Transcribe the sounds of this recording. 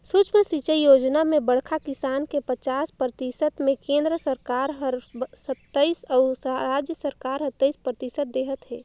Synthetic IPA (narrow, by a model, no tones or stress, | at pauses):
sut͡ʃməsit͡ʃəijoːd͡ʒnamẽbəɽkʰakɪsaːnkepət͡ʃaːspɾət̪isət̪mẽkẽːnd̪ɾəsəɾkaːɾɦəɾsət̪ːəisɔːɾaːd͡ʒjəsəɾkaːɾɦət̪ːəispɾət̪isət̪̚d̪eːɦət̪ɦɛː